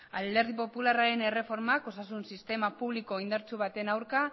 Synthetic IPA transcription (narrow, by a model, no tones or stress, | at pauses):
ald̪e̞ɾðipo̞pularaɾe̞ne̞re̞fo̞ɾmako̞sasunsist̪e̞mapuβliko̞ind̪aɾt͡ʃuβ̞at̪e̞nawɾka